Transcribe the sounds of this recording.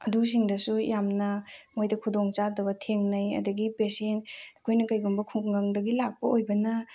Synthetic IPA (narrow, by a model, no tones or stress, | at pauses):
ɐdus̬iŋdɐsujamnɐmojdɐkʰudoŋt͡ʃadɐbɐtʰeŋnɐjɐ̰dɐɡipesentɐkʰojnɐkɐjɡumbɐkʰukŋɡɐŋdɐɡilak̚pɐojbɐnɐ